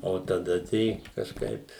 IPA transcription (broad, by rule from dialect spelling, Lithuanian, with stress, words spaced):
oː tɐˈdɐ tɐɪ kɐʃˈkɐɪp